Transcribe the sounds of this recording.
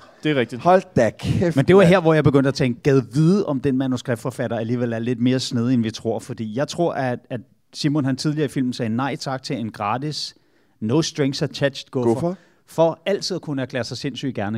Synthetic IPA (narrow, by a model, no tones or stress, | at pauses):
d̥e̝ʁɛɡ̥̚d̥ihɒld̥æɡ̥mend̥e̝ʋɑ̈ɦeɐ̰ʋɒjɑ̈ɪb̥e̝ɡønd̥æt͡sʰɛ̰nɡ̥ɛðˠʋiðˠəʔɒ̽md̥enmænusɡ̥ʁɛb̥̚fɒfæɾ̥ɐæliːʋel̰æɐle̝d̥me̝ːɐsneð̞ˠəenʋit͡sʰʁo̝ɐ̰fɒ̽d̥ḭːjɑ̈ɪt͡sʰʁo̝ɐ̰ʔææ̥ | simɔ̽nɦænt͡sʰiðˠliɐifil̰mn̩sɛːnɑ̈ɪ̰t͡sʰɑ̈ɡ̥̚t͡sʰe̝e̝nɡ̥ʁɑ̈ːd̥is | nɔʊsd̥ʁeŋsæt͡ɕʰæd̥ɕd̥ɡ̥ɔ | fɒ̽æl̰dt͡sʰið̰ˠɐkʰunəæɐkʰlḛːɐsɑ̈ɪse̝nsy̰ːd̥̚ɡ̥æɐnə